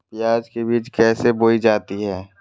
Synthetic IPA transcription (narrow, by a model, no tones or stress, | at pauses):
t̪ɪjaːd͡ʒkebiːt͡ʃkɛːseboːid͡ʒaːt̪iɦɛː